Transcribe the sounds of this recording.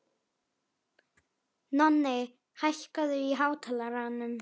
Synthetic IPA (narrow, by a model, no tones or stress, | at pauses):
nɔnːɪ | hajhkaðʏiɦaːwt̪ʰɛlaɾaːnʏm